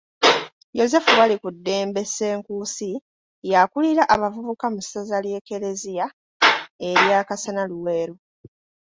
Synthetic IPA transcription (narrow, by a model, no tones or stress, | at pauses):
jo̞ze̞fuwalikudːe̞ːmbe̞se̞ːŋkusi | jakuliɾaʔaβavuβukamusazalje̞ːke̞ɾe̞zija | e̞ɾjaːkasanaluwe̞ːɾo